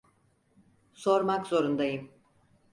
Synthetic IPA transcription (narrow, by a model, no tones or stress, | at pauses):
so̞ɾmakzo̞ɾund̪ajɯm